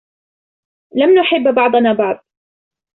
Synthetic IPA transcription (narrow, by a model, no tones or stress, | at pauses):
lamnʊħɪbːbɑʕd̪ˤɑnaːbɑʕd̪̚ˤ